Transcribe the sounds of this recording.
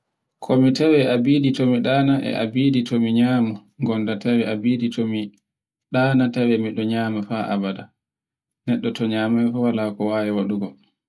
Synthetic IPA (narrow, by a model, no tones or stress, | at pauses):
kʰɔmitawɛabiditɔmiɗaːnaʔɛ̰ʔa̰biːditʰomiɲaːmaŋɡɔndatʰawɛabiːditʰomi | ɗaːnatawɛmiɗɔɲaːmafaʔa̰bada | nɛɗːɔtɔɲaːmafɔwalakɔwaːjɛwaɗuɡɔl